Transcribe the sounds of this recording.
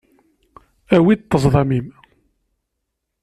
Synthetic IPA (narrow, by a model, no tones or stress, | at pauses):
æwit̪ːəzˤðˤɑmim